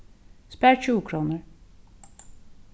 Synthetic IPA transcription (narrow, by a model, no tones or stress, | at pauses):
spæɾt͡ʃʰuːkʰɾuːnəɾ